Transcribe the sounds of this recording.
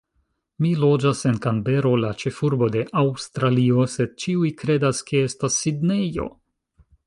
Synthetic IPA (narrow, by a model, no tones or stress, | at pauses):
milo̞d͡ʒase̞nkanbe̞ɾo̞lat͡ʃe̞fuɾbo̞de̞ʔawstɾalio̞se̞d̚t͡ʃiujkɾe̞daskʰe̞e̞stasːidne̞jo̞̰